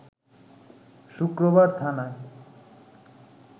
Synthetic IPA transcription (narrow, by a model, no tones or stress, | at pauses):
ʃukɾobaɾt̪ʰana